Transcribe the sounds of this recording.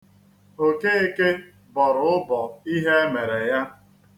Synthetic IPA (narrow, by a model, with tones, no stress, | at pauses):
o˦˨ke˦e˦ke˦ | bɔ˨ɾʊ˨˦ʊ˦bɔ˨i˦ɦe˦e˦me˨ɾe˨ja˦